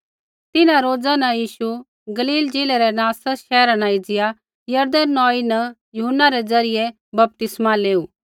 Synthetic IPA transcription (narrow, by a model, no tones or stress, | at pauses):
t̪ɪnãɾoːd͡zanɐ̃jiːʃu | ɡɐliːld͡ʒeːlɛɾɛnaːsəʃɛːɾanaɪd͡zɪja | jɐɾd̪ənnːɔ̃ːinɐ | jʊɦənːaɾɛd͡zɐɾɪje | bɐp̚t̪ɪsmaleːuː